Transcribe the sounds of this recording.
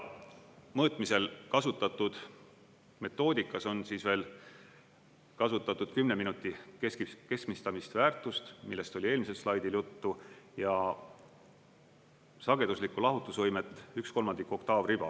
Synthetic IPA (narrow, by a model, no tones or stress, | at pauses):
mɤːt̪ˑmise̞lkɑsut̪ːˑɑt̪ːˑud̪̥ | me̞t̪ːo̞ːd̪ikːˑɑso̞nsiːsve̞ːl | kɑsut̪ːˑɑt̪ːˑud̪̥kymne̞minut̪ːˑikeskke̞skmist̪ɑmist̪væːrt̪ˑust̪milːe̞st̪o̞lʲie̞ːlmis̬e̞slɑjd̪iljut̪ːujɑ | sɑɡ̥e̞d̪̥uslikːˑulɑɦut̪ːˑusvɤjmet̪ːˑyksko̞lmɑnd̪̥ikːo̞kt̪ɑːvrib̥ɑ̰